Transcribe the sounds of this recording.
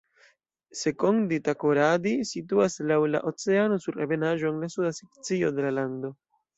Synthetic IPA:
se̞ko̞nditakoɾadisituaslawla̰ʔo̞t͡se̞ano̞suɾeve̞naʒoeŋlasudasekt͡sio̞de̞lalando̞

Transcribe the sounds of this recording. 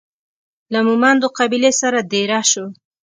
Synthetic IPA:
lamumand̪oqabilesaɾad̪eɾaʃo

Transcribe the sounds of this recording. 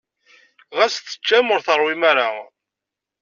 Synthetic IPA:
ʁæst̪ːə̥t͡ʃːæmʊɾθəɾˤwimæɾa

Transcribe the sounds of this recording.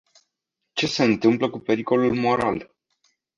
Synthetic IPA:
t͡ʃe̞se̞ɨnt̪ɨmpləkupe̞ɾiko̞lulmo̞ɾal

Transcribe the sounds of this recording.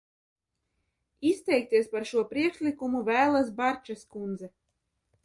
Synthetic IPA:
ist̪ɛjk̚t̪iɛspaɾʃuɔpɾiɛkʃlʲikumuvæːlˠas̬baɾt͡ʃaskund̪zɛ

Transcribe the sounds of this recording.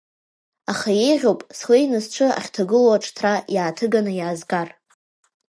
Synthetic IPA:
aχaje̞jʁʲowpʼsle̞jnɨzʈ͡ʂʷʰɨa̰χʲtʰaɡɨlwaʈ͡ʂʼʰtʰrajaːtʰɨɡanɨjaːzɡar

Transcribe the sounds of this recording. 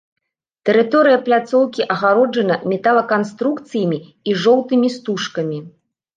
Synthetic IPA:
t̪ɛɾɨt̪ɔɾɨjɐplʲat̪sɔwkʲiʔɐɣaɾɔd͡ʐɐnɐmʲɛt̪alˠɐkanst̪ɾukt̪sɨjɐmʲi | iʐɔwt̪ɨmʲist̪uʂkɐmʲi

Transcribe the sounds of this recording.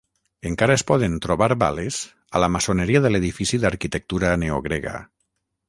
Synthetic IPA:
eŋkaɾaespɔðent̪ɾoβaɾβa̰lez̥ | a̰lamasoneɾiaðəleðifisiðaɾkit̪ək̚t̪uɾaneo̰ɣ̞ɾeɣa̰

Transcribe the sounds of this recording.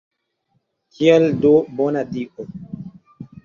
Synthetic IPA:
kʰiɛldobonadiʔo

